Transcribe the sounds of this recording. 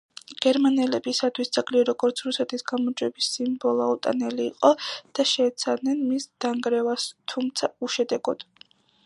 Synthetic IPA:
ɡ̥ɛɾmanɛlɛbisat̪ʰwisd̪sʰakʼliɛɾɔɡɔɾt̪sʰɾusɛt̪ʰisɡamɔd͡ʒʼwɛbisimbɔlˠɔut̪ʼa̰nɛliːqʼɔd̪̥aʃɛːt̪sʰavnɛnmisd̪̥aŋɡɾɛvast̪ʰumt̪sʰauʃɛd̪ɛɡɔd̪̥

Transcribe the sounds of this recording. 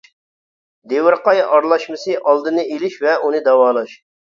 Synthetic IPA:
d̪ewɪɾqɑjɑɾlˠɑʃmɨsɨʔɑlˠd̪ɨnɨelɪʃvɛunɨd̪ɑwɑːlˠɑʃ

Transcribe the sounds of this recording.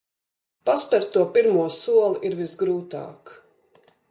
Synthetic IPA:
paspʲɛɾt̪uɔpiɾmuɔsuɔlˠiʔiɾvizɡɾuːt̪a̰ːk

